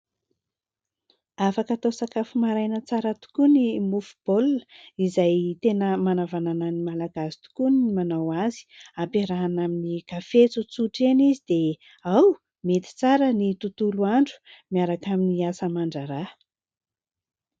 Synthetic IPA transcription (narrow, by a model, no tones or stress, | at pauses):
afakat̪osakafumaɾajnət͡saɾət̪u̥kunimufu̥b̥olnizajt̪enəmanavanananimalaɡasi̥t̪u̥kunimanawazi̥apeɾaɦanaminikafet͡sut͡suʈ͡ʂenizid̪e | aw | met̪i̥t͡saɾənit̪ut̪uluaɳɖ͡ʐu̥miaɾakaminiasəmaɳɖ͡ʐaɾa